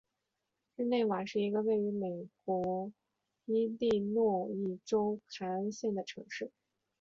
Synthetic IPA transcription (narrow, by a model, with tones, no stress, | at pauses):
ɻ̩˥˧ne˥˩ɪwa˨˩nʂɻ̩˥˩i˧˥ɡə˧we˥˩ɪy˧˥me˨˩ɪk̚wɔ˧˥ | i˥li˥˧nwɔ˥˧i˥˩ʈ͡ʂo˥ʊkʰa˧˥nɕjɛ˥˩nd̪ə˩ʈ͡ʂʰɤ̰˧˥ŋʂɻ̩˥˩